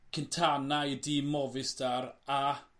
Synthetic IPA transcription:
kʰəntʰanajdiːmɔvɪsd̥aɾa

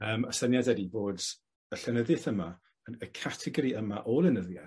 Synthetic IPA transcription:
əːməsənjadɛdiboːd | əɬɛnəðɨθəma | ənəkʰatʰɛɡɔɾiʔəmaʔolˠənəðja

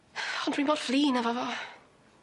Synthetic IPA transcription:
ɔndwiːnboːd̥fliːnavɔvɔ

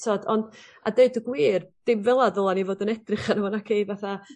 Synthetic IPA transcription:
tɔdɔnda̰deɨdəɡwiːrd̥ɪmvɛlˠadəlˠanivoːdənɛdrɪχanəmɔnakʰejvaθa

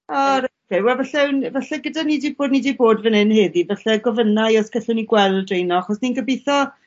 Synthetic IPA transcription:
ɔɾkewɛlvɛɬɛwnvaɬɛɡədanidiːboːdnidiːboːdvənɪnheːðivaɬɛɡɔvənajɔskɛɬʊwniɡwɛlˠdrejnɔaχɔsninɡəbejθɔ

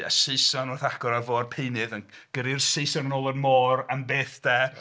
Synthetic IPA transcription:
a̰sɨsanɔθaɡ̥ɔɾavoːrpʰeɨnɨðənɡ̥əɾɪrsejsaɾənoːlˠənmɔːranbeːθd̥ɛ

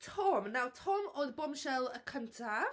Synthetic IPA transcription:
tʰɔmnawtʰɔmoðbɔmʃɛlˠəkʰəntʰa

